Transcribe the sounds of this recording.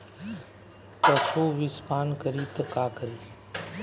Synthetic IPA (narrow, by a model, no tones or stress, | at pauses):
t̪ɐsʰoːʋɪspaːnkəɾiːt̪ɐkaːkəɾiː